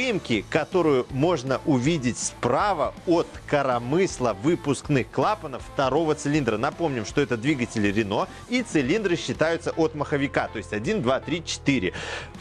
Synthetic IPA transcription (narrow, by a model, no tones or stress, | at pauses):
ɨjɪmkʲɪkɐt̪o̞ɾʊjʊmo̞ʐnəʔʊvʲidʲɪtʲspɾavəot̪kəɾɐmɨslˠəvɨpʊsknɨxklˠapənəffːt̪ɐɾo̞vət̪sɨlʲind̪ɾənɐpo̞mnʲɪmʂt̪o̞ɛt̪əd̪vʲiɡətʲɪlʲɪɾʲɪno̞ | it̪sɨlʲind̪ɾɨɕːɪt̪ajʊt̪səʔot̪məxəvʲɪkat̪o̞jɪsʲtʲɐdʲind̪vat̪ɾʲit͡ɕɪ̥t̪iɾʲɪ̰